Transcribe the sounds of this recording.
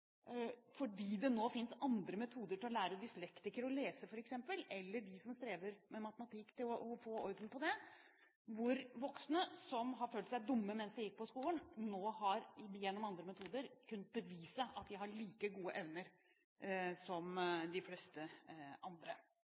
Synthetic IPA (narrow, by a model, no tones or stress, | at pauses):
fɔɖiːd̪ɛnoːfɪnsɑnd̪ɾəmɛt̪ʰuːd̪əʈʰɪlɔlæːɾəd̪ɪslɛkt̪ɪkəɾɔleːsəfɔɾɛksɛmpəlɛlːəɖɪsɔmst̪ɾeːʋəɾmɛmɑt̪əmɑt̪ʰɪkːt̪ʰɪlɔʔɔfoːɔʏd̪ənpʰɔd̪ɛ | ʋʊɾʋɔksnəsɔmɦɑɾføːlt̪sæɪd̪ʊmːəmɛnsd̪ɛjɪk̚ːpɔskuːlənnoːɦɑɾjɛnːɔmɑnd̪ɾəmɛt̪ʰuːd̪əɾkʰʉnːət̪̚bəʋiːsəʔɑt̪̚d̪ɪɦɑɭiːkəɡuːəʔɛʋnəɾ | sɔmd̪ɪflɛst̪əɑnd̪ɾə